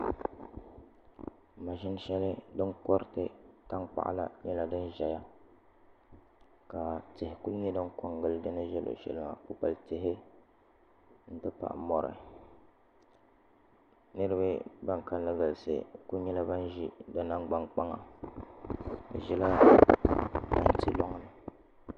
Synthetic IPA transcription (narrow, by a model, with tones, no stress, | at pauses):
ma˨ʒɪ˦n˦ʃɛ˦lɨ˦dɨ˦ŋkɔ˦ɾtɨ˦ta˦ŋk͡pa̰˨ʔla̰˦˨ɲɛ˦la˦dɨ˦nʒɛ˨ja˦ | ka˨tɪ˨hɪ˨ku˦lni˦dɨ˦ŋkɔ˦ŋɡɨ˦ldɨ˦nɨ˦ʒɛ˦lo̰˨ʃɛ̰˦lɨ˦ma̰˨po˦pa˨ltɪ˨ɦɪ˦ | n̩˦tɨ˦pa̰˨ʔmɔ˨ɾɨ̰˨ | nɨ˦ɾɨ˦ba˦ba˦ŋka˦n˦lɨ˦ɡa˨lsɨ̰˨ko˦ɲɛ˦la˦ba˦n˦ʒḭ˦dɨ˦na˦ŋɡ͡ba˦ŋk͡pa˦ŋa˨ | ɨ̰˨ʒɛ˦la˦ | da˦nti˦lɔ˦ŋ˦nɨ˨